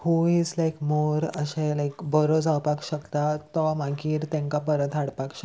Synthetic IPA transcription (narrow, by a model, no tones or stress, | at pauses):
huid͡zlajkmoɾəɕelajkbəɾod͡zawpakɕəkt̪at̪əmaɡiːɾt̪ẽŋkapəɾət̪aɽpakɕək